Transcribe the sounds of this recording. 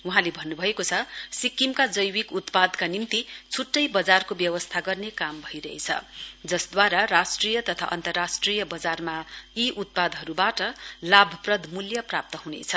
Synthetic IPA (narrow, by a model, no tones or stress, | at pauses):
uɦãlebʱʌnːubʱʌekot͡sʰʌsikːimkad͡zʌjwikut̪pad̪kanimt̪it͡sʰuʈːʌjbʌd͡zarkobjʌwʌst̪ʰaɡʌrnekambʱʌiɾʌɦḛt͡sʰʌ̰d͡zʌsd̪waɾarasʈrijʌt̪ʌt̪ʰa̰ʔʌ̰nt̪ʌrːasʈrijʌbʌd͡zarmaiʔut̪̚pad̪ɦʌɾubaʈʌlabʱʌprʌd̪ʱmuljʌprap̚t̪ʌɦunḛt͡sʰʌ